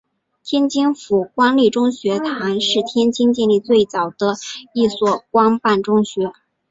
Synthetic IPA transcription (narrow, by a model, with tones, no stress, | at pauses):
t̪ʰjɛ˥nt͡ɕi˥ŋfu˨˩kwa˥ŋli˥˩ʈ͡ʂʊ˥ŋɕɥɛ˧˥t̪ʰa˧˥nʂɻ̩˥˩t̪ʰjɛ˥nt͡ɕi˥nt͡ɕjɛ˥˧nli˥˧t͡swe˥˩ɪt͡sɑ˨˩ʊd̪̥ə˦i˥˧swɔ˥˩kwɑ˥ŋpa˥˩nʈ͡ʂʊ˥ŋɕɥɛ˧˥